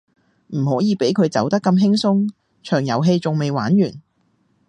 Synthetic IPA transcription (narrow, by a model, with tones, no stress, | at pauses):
m̩˨˩hɔː˨˥jiː˨˧pe˨˥jkʰɵ˨˧ɥt͡sɐ̰˨˥wt̪ɐ˥kːɐ˧mɦɪ˥ŋsʊ˥ŋ | t͡ʃʰœː˨˩ŋjɐ˨˧wɦe˧jt͡sʊ˨ŋme˨jwaː˨˥njyː˨˩n